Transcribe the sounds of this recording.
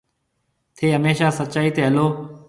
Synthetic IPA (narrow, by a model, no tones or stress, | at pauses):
t̪ʰeːɦəmeːʃaːsət͡ʃaːiːt̪ʰeːɦəloː